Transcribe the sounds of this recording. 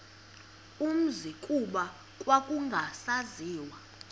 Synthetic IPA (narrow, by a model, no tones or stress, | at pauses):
um̩zikʼuɓa | kʼwakʼuŋɡʱasaziːwa